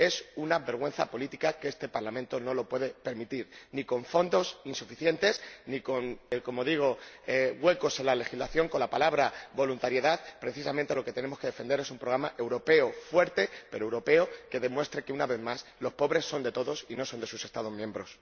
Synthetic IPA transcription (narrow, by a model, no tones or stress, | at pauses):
e̞sunaβe̞ɾɣ̞we̞n̟θa̰po̞lit̪ikakeest̪e̞paɾlamẽnt̪o̞no̞lo̞pwe̞ðe̞pe̞ɾmit̪iɾniko̞ɱfo̞nd̪o̞sinsufiθje̞nt̪e̞sniko̞nekomo̞ðiɣ̞o̞eɣwe̞ko̞selale̞xizlaθjo̞ŋko̞nlapalaβɾabo̞lunt̪aɾje̞ðaðpɾe̞θisamẽnt̪e̞lo̞ket̪e̞ne̞mo̞ske̞ð̞e̞fe̞nd̪eɾe̞sumpɾoɣɾamaʔe̞wɾo̞pe̞ofwe̞ɾt̪e̞peɾoewɾo̞pe̞oke̞ðe̞mwe̞st̪ɾeke̞unaβe̞ðmaslo̞spo̞βɾe̞sːo̞nd̪e̞t̪o̞ðo̞sino̞so̞nd̪e̞suse̞st̪að̞o̞zmje̞mbɾo̞s